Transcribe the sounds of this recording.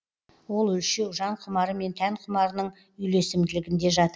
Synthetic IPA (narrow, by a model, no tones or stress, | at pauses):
wo̞lˠɵlʃe̞wʒɑɴqʰʊmɑɾəme̞nt̪ʰæɴqʰʊmɑɾənəɴ | ʏjle̞sɪmd̪ɪlɪɡʲɪnd̪e̞ʒɑt̪ə